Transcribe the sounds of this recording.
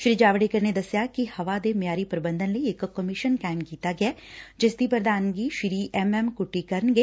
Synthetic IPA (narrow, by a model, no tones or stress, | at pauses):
ʃɾid͡ʒaːʋɽekɐɾned̪ɐsjakihɐʋad̪emjaːɾipɾɐbə̃nd̪ʱənləieːkkːɐmɪʃənkaːɪmkiːt̪aɡɐjaːd͡ʒɪsd̪ipəɾd̪aːnɡiʃɾiːʔɛmɛmkʊʈːikɐɾnɡeː